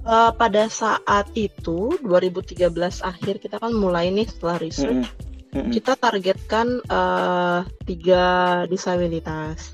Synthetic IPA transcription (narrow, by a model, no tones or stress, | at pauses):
ʔəpadasaʔat̪̚it̪uduaɾibut̪iɡabəlasahɪrkit̪akanmulajnɪhsə̥t̪əlahrisɔt͡ʃkit̪at̪arɡɛt̪̚kanə | t̪iɡadisabilit̪as